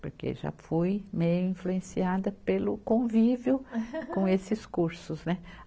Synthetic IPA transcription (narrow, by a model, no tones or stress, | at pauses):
poɾkḛʒa̰fujmejʊĩfluẽsiad̪ɐpelʊkõvivjʊkõesɪskuɾsʊznɛ